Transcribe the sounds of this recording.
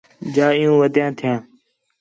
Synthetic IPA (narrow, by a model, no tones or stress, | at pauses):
d͡ʒaːɪjũːʋəd̪jãːt̪ʰɪjãː